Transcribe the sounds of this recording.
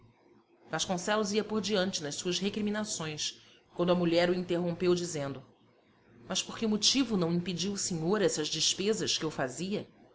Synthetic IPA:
ɡ̥aʃkõsɛlʊziɐpoɾd͡ʒiɐ̃nt͡ʃɪnɐʃsuɐsɦekɾimĩnasõj̃s | kwɐ̃nd̪ʊɐmuʎɛɾuĩnt̪eɦõmpewd͡ʒizẽnd̪ʊ | mɐʃpoɾkɪumot͡ʃivʊnɐ̃w̃ĩped͡ʒiwʊseɲoɾɛsɐzd͡ʒɪʃpezɐʃkɪewfaziɐ

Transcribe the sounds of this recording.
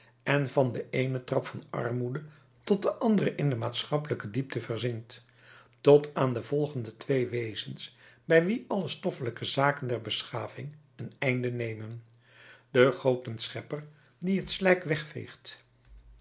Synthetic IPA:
ɛnvɑndəʔejnətrɑpfɑnɑ̰rmudə | tɔt̚dəʔɑndərəʔɪndəmaːtsχɑpələkədip̚təvərzɪŋt | tɔtaːndəv̥ɔlˠχəndətʋejʋejzənsbɛjʋiʔɑləstɔfələkəzaːkəndɛɹbəsχaːvɪŋ | ənɛjndənejmən | d̥əχowtənsχɛpər | diɦətslɛjkʋɛχfḛjχt

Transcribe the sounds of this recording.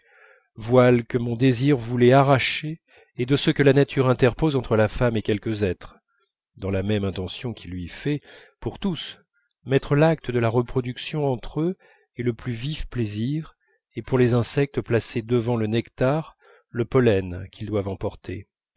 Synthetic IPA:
vwalkəmɔ̃d̪eziʁvulɛaʁaʃeː | d̪əsəkəlanat̪ʰyʁɛ̃t̪ɛʁpozɑ̃t̪χəlafamekʲɛlkəzɛt̪χ | d̪ɑ̃lamɛmɛ̃t̪ɑ̃sjɔ̃kʲʰilɥifɛ | puʁt̪us | mɛt̪χəlak̚t̪əd̪əlaʁəpχɔd̪yksjɔ̃ɑ̃t̪χø | eləplyvifpleziʁ | epuʁlezɛ̃sɛk̚t̪əplased̪əvɑ̃lənɛkt̪aʁ | ləpɔlɛnkʰʲild̪wavɑ̃pɔʁt̪ḛ

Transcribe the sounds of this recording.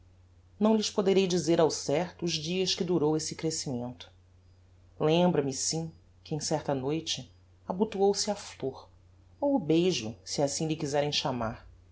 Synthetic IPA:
nɐ̃w̃lɪʃpod̪eɾejd͡ʒizeɾawsɛht̪ʊːʒd͡ʒiɐskɪd̪uɾowesɪkɾesimẽnt̪ʊ̥ | lẽmbɾɐmɪsĩ | kɪẽj̃sɛɾt̪ɐnojt͡ʃɪ | abut̪uowsɪafloɾ | owʊbejʒʊsɪasĩlɪkizɛɾẽj̃ʃamaɾ

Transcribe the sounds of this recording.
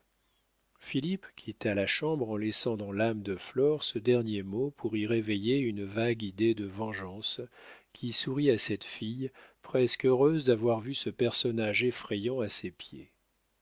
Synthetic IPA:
filipkʲʰit̪alaʃɑ̃bʁɑ̃lɛsɑ̃d̪ɑ̃lamd̪əflɔʁsəd̪ɛʁnjemopʰuʁiʁevejeynvaɡid̪ed̪əvɑ̃ʒɑ̃skʲʰisuʁiasɛt̪fijpχɛskøʁøzd̪avwaʁvysəpɛʁsɔnaʒefχejɑ̃asepjḛ

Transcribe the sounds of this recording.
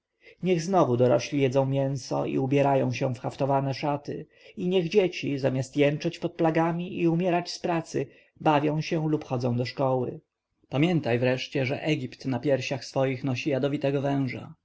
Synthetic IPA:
ɲɛɣznɔvud̪ɔɾɔɕlʲijɛd̪zɔ̃w̃mʲjɛ̃ñsɔ̰ḭubʲjɛɾajɔ̃w̃ɕɛ̃fxaft̪ɔvanɛʂat̪ɘ̰ | iɲɛɣd͡ʑet͡ɕizamʲast̪jɛnt͡ʂɛt͡ɕpɔt̪̚plaɡamʲiʔiumʲjɛɾat͡ɕspɾat̪sɘ̰ | bavʲjɔ̃w̃ɕɛlupxɔd̪zɔ̃d̪ɔʂkɔwɘ̰ | pamʲjɛnt̪ajvɾɛʂt͡ɕɛʐɛ̰ʔɛɡʲipt̪napʲjɛɾɕaxsfɔjixnɔɕijad̪ɔvʲit̪ɛɡɔvɛ̃w̃ʐa̰

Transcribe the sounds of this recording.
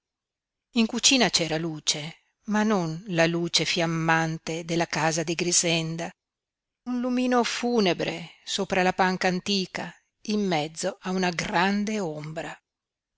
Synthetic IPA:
iŋkut͡ʃiːnat͡ʃɛːɾaluːt͡ʃe | manonlaluːt͡ʃefjamːant̪ed̪elːakaːzad̪iɡɾizɛnd̪a | unlumiːnofuːnebɾesoːpɾalapaŋkaːnt̪iːka | imːɛd̪zːoʔaunaɡɾand̪eombɾa

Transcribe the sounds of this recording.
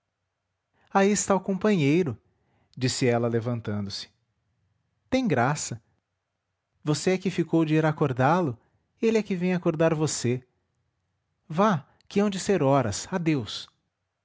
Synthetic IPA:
aiɪst̪aʊkõpɐ̃ɲejɾʊ | d͡ʒisɪɛlɐlevɐ̃nt̪ɐ̃nd̪ʊsɪ̥ | t̪ẽj̃ɡɾasɐ | voseɛkɪfikowd͡ʒɪiɾakoɾd̪alʊ | elɪɛkɪvẽj̃akoɾd̪aɾvose | va | kɪɐ̃w̃d͡ʒɪseɾɔɾɐsad̪ews

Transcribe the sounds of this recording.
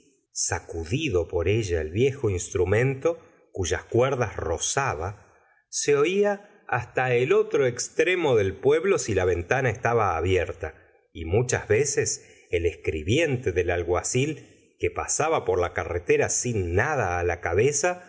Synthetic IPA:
sakuðiðo̞po̞ɾeʒaelβje̞xo̞inst̪ɾumẽ̞nt̪o̞ | kuʒaskweɾðasro̞saβa | seo̞ia | a̰st̪aelo̞t̪ɾo̞ekst̪ɾemo̞ðe̞lpwe̞βlo̞silaβe̞nt̪anaest̪aβaːβjeɾt̪a | imut͡ʃa̰zβeses | eleskɾiβje̞nt̪e̞ðelalɣwasil | kepasaβapo̞ɾlakaret̪eɾasinːað̞aːlakaβesa

